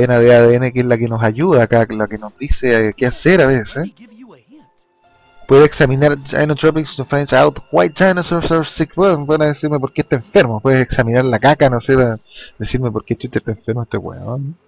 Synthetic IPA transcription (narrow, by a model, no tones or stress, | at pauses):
enaðeaðeenekeelakenosajuðakalakenozðiseakeaseɾaβesses | pweðeseksaminaɾt͡ʃa̰jnot̪ɾopiksonfɾensawt̪owajt̪̚t͡ʃajnosososikpepenaðesiɾmep̬oɾkeht̪aeɱfeɾmopweðeseksaminaɾlakakanosepad̪esiɾmepoɾket͡ʃit̪eht̪aeɱfeɾmoet̪ewḛon